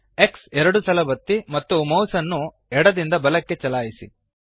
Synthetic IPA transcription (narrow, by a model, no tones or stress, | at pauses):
e̞ksɛɾɐɽusɐlɐbɐt̪ːimɐt̪ːumɐwsɐnːu | ɛɽɐd̪ind̪ɐbɐlɐkːe̞t͡ʃɐlaːjisḭ